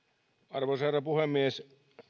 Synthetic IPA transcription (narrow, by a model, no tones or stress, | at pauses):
ɑrʋosɑrɑpuhemːies